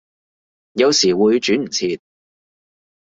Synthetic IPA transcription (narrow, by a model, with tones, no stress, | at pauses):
jɐ˨˧wsiː˨˩wuː˨˧jt͡ʃyː˨˥m̩˨˩t͡sʰiː˧t̪̚